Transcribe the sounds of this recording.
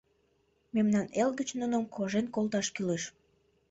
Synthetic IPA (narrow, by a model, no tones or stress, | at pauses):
memnɑnelɡət͡ɕnunəmkʰoʒenkolˠt̪ɑʃkyleʃ